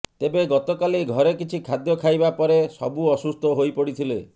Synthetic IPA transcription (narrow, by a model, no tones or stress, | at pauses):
t̪ebeɡɔt̪okaliɡʱɔɾekit͡ʃʰikʰad̪jɔkʰajbapɔɾesɔbuɔsust̪ʰɔɦojpɔɽit̪ʰile